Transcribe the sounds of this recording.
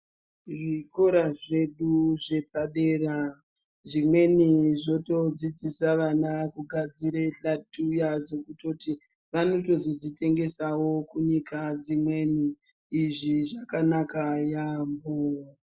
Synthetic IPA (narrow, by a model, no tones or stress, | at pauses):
ʐiko̞ɾaʐe̞ɗuʐe̞pʰaɗe̞ːra | ʐimwe̞niʐo̞to̞d͡zid͡zisaʋanakuɡʱad͡ziɾeɬatʰujad͡zo̞kuto̞ti | ʋano̞to̞zod͡zitʰe̞ŋɡe̞sawo̞kuɲikʰad͡zimwe̞niː | ʐiʐakanakajambo